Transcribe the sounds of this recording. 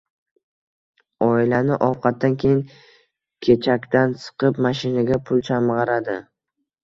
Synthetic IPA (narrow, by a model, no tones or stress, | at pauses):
ɒɪlanɪʔɒwqʰɑt̪̚d̪ːankʲʰejɪŋ | kʲʰe̞t͡ʃʰakʲt̪ansɨ̥qʰɨpmaʃɪnaɡʲapʰʊlˠt͡ʃʰamʁɑɾad̪ɪ